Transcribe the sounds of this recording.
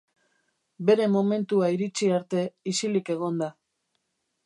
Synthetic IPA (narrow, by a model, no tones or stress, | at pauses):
be̞ɾe̞mo̞me̞nt̪uaiɾit͡ʃiaɾt̪e̞isilike̞ɣ̞o̞nd̪a